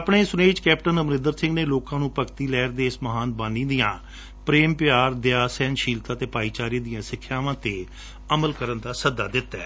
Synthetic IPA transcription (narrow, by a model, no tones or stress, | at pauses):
əpɳeːsʊneːd͡ʒkɛːp̚ʈənəmɾɪ̃nd̪əɾsɪ̃ŋɡneːloːkãːnũːpəkt̪iːlɛːɾd̪eːɪsməɦaːnbaːnĩːd̪ijãː | pɾeːmpɪjaːɾd̪ɪjaːsɛːnʃiːlt̪aːt̪eːpaːiːt͡ʃaːɾiːd̪ijãːsɪkʰːjaːʋãːt̪eː | əməlkəɾənd̪aːsəd̪aːd̪ɪt̪ːɛː